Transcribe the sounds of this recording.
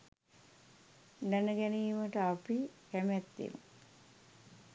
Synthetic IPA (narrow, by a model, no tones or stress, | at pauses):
nænəɡænijːməʈəapikæmæt̪ːḭm̰